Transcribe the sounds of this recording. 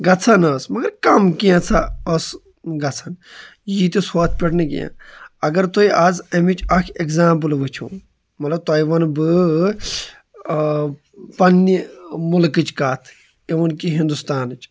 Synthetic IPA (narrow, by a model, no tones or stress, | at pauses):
ɡɐt͡sʰɐnɐsmɐɡɐɾkɐmkijãt͡sʰaɐs | ɡɐt͡sʰɐn | jit̪isoːt̪ʰpʲiʈnikḭjã̰ɐɡɐɾt̪oiʔaːzɐmit͡ʃʰɐkʰekzãːmp̬ɨlʋɨt͡ʃʰṵ̃ː | mɐt̪lɐb̚t̪oːiʋɐnbɨ | pɐnːimulkɨt͡ʃkaːt̪ʰ | iʋɐnkiɦĩnd̪ust̪aːnɨt͡ʃʰ